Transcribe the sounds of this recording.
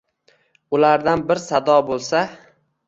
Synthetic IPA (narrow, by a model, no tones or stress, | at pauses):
ʊlaɾd̪anbɪɾsad̪ɒbolˠsa